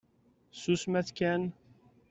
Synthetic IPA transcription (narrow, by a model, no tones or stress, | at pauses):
susmæθkæn